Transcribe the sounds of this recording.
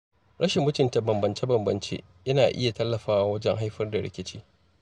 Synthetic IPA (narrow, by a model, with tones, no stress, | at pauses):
ɽɐ˦ʃɪ˨mːʊ˦tɪ˨nta˨bɐ˨mbɐ˨nt͡ʃe˦bɐ˨mbɐ̰˨nt͡ʃḛː˦ | ʔɐ˦naː˨ʔɪ˦ja˨tɐ˦lːɐ˨ɸaː˦wa˨wɐ˦d͡ʒɛ˦ŋɦa˦jɸɐ˦rda˨ɽɪ̰˦kʲɪ˦t͡ʃiː˦